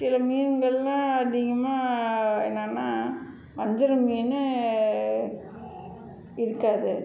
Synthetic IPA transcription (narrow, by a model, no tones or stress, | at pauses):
sɪlɐmiːŋɡɐɭlãːɐðɪɣɐmaːɛ̰nːaːnːaː | ʋɐɲd͡ʒɪɾɐmiːnɯ | ɪɾɯkːaːðɯ